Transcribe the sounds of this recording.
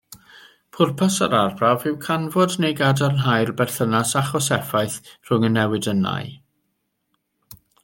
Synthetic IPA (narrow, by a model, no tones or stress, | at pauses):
pʰʊrpʰasa̰ɾarbravɪwkʰanvɔdnejɡadarnɦajrbɛrθənasaχɔsɛfajθr̥ʊŋənːɛwɨdənːa̰j